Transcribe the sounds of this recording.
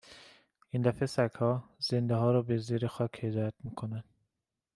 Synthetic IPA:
ind̪æfesækhɒːz̥end̪eɦɒːɾɒːbeziːɾexɒːkʰhed̪ɒːjæt̪miːkʰonænd̪̥

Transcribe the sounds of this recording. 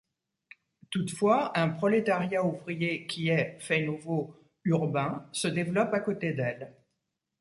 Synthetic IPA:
t̪ut̪fwaɛ̃pχɔlet̪aʁjauvʁijekʲʰiɛfɛnuvo | yʁbɛ̃səd̪evlɔpakot̪ed̪ɛl

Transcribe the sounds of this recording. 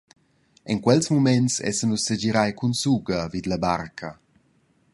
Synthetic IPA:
ɛŋkwɛlsmumɛnsɛ̰sənusːed͡ʒiɾajkunsuɡɐvid̪lɐbarkʰɐ

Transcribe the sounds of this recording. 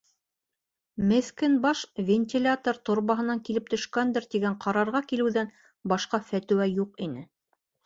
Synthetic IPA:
mɘ̆θkɘnbɑʃvʲenʲt̪ʲilʲat̪oɾt̪ŏɾβɑɦɤ̆nɑŋkilɘp̚t̪ɵ̆ʃkænd̪ɘɾt̪iɡæɴqʰɑɾɑɾʁɑkilɘ̆wðæn | bɑʃqɑfæt̪ɘ̆wæjuqinɘ

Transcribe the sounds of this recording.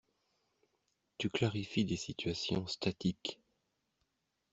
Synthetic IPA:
t̪yklaʁifid̪esit̪ʰɥasjɔ̃st̪at̪ik

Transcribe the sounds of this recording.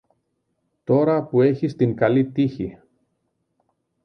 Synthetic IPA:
t̪o̞ɾɐpue̞çist̪iŋkɐlit̪içi

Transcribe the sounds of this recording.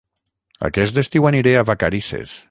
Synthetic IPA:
a̰kɛs̬d̪est̪iwaniɾeaβakaɾisḛs

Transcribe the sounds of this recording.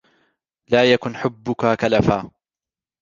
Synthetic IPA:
laːjakʊnħʊbːʊkaːkalafaː

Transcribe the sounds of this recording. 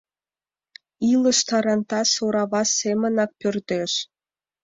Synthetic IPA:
ilə̆ʃt̪ɑɾɑnt̪ɑsoɾɑβɑsemə̆nɑk̚pørd̪eʃ

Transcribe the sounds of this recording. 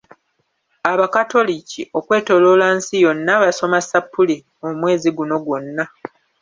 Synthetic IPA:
aβakato̞liciʔo̞kwe̞ːto̞lo̞ːlansijo̞nːaβaso̞masapːuli | omwe̞ːziɡuno̞ɡwo̞nːa

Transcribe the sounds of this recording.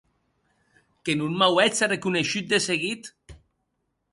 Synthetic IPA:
kenunmawɛt͡sarekuneʃut̪̚d̪eseɣit̪

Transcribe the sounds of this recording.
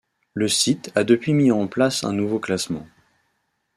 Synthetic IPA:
ləsit̪ad̪əpɥimiɑ̃plasɛ̰̃nuvoklasmɑ̰̃

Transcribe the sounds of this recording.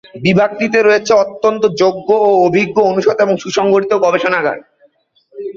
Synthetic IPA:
bibʱak̚t̪it̪eɾoet͡ɕʰeɔt̪ːont̪od͡ʑoɡːoːobʱiɡːoonuʃod̪eboŋʃuʃɔŋɡoɾit̪oɡɔbeʃonaɡa̰ɾ

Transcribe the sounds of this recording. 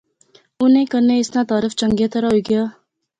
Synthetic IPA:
ʊnẽːkəɾneɪsnaːt̪aːɾɪft͡ʃə̃ŋɡet̪əɾaɦoiɡəjaː

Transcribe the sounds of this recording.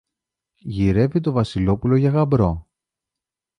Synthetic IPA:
ʝiɾe̞vit̪o̞vɐsilo̞pulo̞ʝɐɣɐbɾo̞

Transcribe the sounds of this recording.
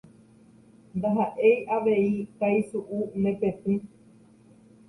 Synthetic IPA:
nd̪aɦaʔejʔaʋeikajsuʔunepet̪ɨ̃

